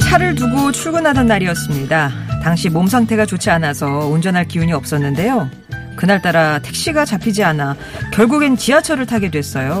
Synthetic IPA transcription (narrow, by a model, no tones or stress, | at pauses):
t͡ɕʰaɾɯɭnuɡot͡ɕʰuɭɡunadʌnːaɾiʌs͈ɯmɲidataŋɕʰimomsʰaŋtʰe̞ɡat͡ɕot͡ɕʰianasʰʌund͡ʑʌnɦaɭkiuɲiʌp̚s͈ʌnːɯnde̞jo | kɯnaɭt͈aɾatʰe̞k̚ɕ͈iɡat͡ɕapʰid͡ʑiana | kjʌɭɡuɡent͡ɕiat͡ɕʰʌɾɯɭtʰaɡe̞dwe̞s͈ʌjo